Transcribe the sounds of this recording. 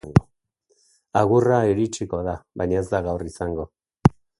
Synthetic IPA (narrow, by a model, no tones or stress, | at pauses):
ŋɡɔ | aɣurajɔɾit͡ʃikɔðaba̰ɲɛzaɣauɾisaŋɡɔ